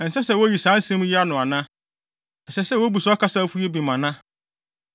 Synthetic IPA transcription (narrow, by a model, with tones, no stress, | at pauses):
n̩˨sɛ˦sɛ˦˨wo˦ji˨sãː˨˦n̩˦sɛ̃˦m˦jɪ˦a˦nʊ̃˨a˨nã˦ | ɛ˨sɛ˦sɛ˦wo˦bu˨sɔ˦kʰa˦sa˦fu˦e˦bi˨mã˨nã˦